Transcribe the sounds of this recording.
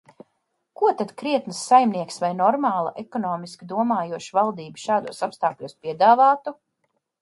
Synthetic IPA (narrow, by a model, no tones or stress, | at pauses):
kuɔt̪ad̪̥kɾiɛt̪nɨsːajmniɛksvajnɔɾmaːlˠa̰ʔekɔnɔːmiskʲid̪uɔmaːjuɔʃivalˠd̪iːbi̥ʃaːd̪ṵɔsapst̪aːklʲuːspiɛd̪aːvaːt̪u